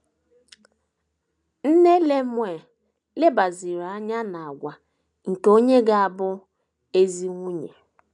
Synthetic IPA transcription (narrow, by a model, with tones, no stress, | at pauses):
n̩˦ne˦le˦mʷ˦e˨ | le˦ba˨zi˨ɾa˨a˦ɲa˦na˨a˨ɡʷa˨ | ŋ̩˨ke˨o˦ɲe˦ɡa˦a˨bʊ˦ | e˦zi˦ŋʷu˦ɲḛ˨